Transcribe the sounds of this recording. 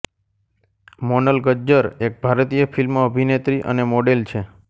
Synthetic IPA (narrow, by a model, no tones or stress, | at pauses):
monəlɡəd͡ʒəɾek̚bʱaɾt̪ijəfʰilmoəbʱinet̪ɾiʔə̰nemoɖelt͡ʃʰe